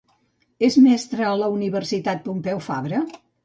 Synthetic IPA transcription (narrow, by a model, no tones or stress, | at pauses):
ezmɛst̪ɾəːləuniβərsit̪at̪̚pumpɛwfaβɾə